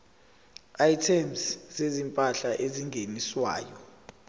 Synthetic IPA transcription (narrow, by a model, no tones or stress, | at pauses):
ajtʰɛmszezimpʼaɬaʔeziŋɡʱeniswa̰ːjɔ